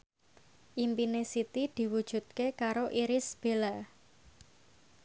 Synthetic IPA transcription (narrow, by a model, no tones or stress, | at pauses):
ʔimpinesit̪id̪̥i̤wud̥ʒ̥ṳt̪̚kekaɾoʔiɾɪsb̥e̤la